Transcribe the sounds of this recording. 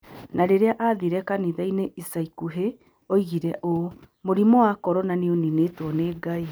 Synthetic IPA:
nʔaɾeɾeaʔaðiɾɛkaniðɛineʔisaikuɦe | oiɣiɾɛʔo | moɾimɔakɔɾɔnaneonineːtwɔneːɡai

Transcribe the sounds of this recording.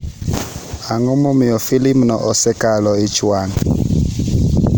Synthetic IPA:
aŋɔmɔmɪɔfilimnɔ̰ʔɔsɛkalɔit͡ʃwaŋ

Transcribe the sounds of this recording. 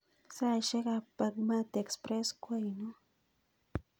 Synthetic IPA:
saʃeɢɑpaɡmat̪aekspɾeskwajnʊ

